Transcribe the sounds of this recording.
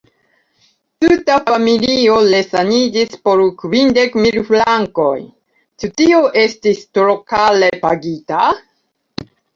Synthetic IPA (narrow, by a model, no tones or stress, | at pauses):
tutafamiliolesanid͡ʒispo̞ɾkvinde̞kmilflaŋko̞j | t͡ʃutio̞ʔe̞stistɾokale̞paɡita